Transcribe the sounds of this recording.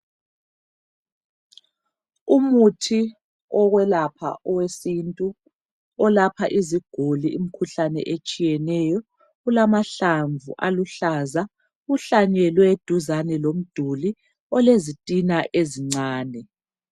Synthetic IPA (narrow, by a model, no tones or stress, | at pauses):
umutʰi | ɔɣwɛlapʰa̰ʔɔwesintʼu | ɔlapʰaʔiziɡ̥ʱuliːm̩kʰuɬanɛ̰ʔet͡ʃʼijɛnɛjɔ | ɣulamaɬaɱvṵʔaluɬaza | ɣuɬaɲɛlwɛd̥ʱuzanɛlom̩d̥ʱuli | ɔlezitʼinaʔeziŋ͡ǀaːnɛ